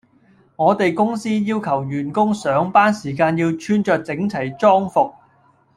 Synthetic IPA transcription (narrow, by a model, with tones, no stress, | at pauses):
ŋɔː˨˧t̪e˨jkʊ˥ŋsiː˥jiː˥wkʰɐ˨˩wjyː˨˩nkʊ˥ŋsœː˨˥ŋpaː˥nsiː˨˩kaː˧njiː˧wt͡ʃʰyː˥nt͡ʃœː˨˧k̚t͡sɪ˨˥ŋt͡sʰɐ˨˩jt͡sɔː˥ŋfʊ˨k̚